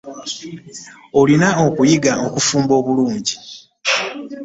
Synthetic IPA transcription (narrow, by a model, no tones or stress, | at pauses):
o̞linao̞kujiɡaokufuːmbo̞ːβuluːɲɟi